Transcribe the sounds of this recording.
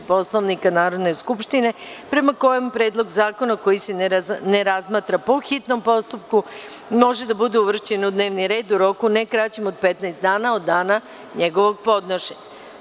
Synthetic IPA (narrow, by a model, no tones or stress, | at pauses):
po̞slˠoʋnikanaːɾo̞d̪ne̞skupʃt̪ine̞ | pɾe̞mako̞jempɾeːd̪lˠo̞ɡzaːko̞nako̞jisenneɾazmaːt̪ɾapoxit̪no̞mpo̞st̪up̚ku | mo̞ʒed̪abud̪euʋr̩t͡ɕe̞nud̪ne̞ːʋniɾe̞ːd̪uɾo̞kune̞kɾaːt͡ɕemod̪̚pet̪naest̪d̪aːnaod̪ːaːna | ɲe̞ɡo̞ʋo̞ɡ̚po̞d̪noʃeɲa